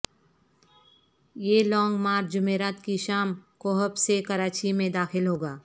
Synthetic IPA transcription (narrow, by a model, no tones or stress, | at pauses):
jeːlɔ̃ːŋɡmaːɾt͡ʃd͡ʒʊmeːɾaːt̪kiʃaːmkoːɦəpsekɐɾaːt͡ʃimẽd̪aːxɪlɦoːɡaː